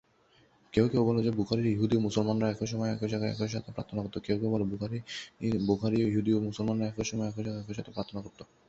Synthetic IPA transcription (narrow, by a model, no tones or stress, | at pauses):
keowkewbɔlod͡ʑebukʰaɾiɾiɦud̪iomusolmanɾaɛkʰoʃɔmɔeɛkʰod͡ʑakaɛ̰kʰoʃat̪ʰepɾa̰t̪ʰːonakoɾt̪okewkewbɔlobukʰaɾibukʰaɾiiɦud̪iomusolmanɾaɛkʰoʃɔmɔeɛkʰod͡ʑaɡaɛkʰoʃat̪ʰepɾat̪ʰonakoɾt̪o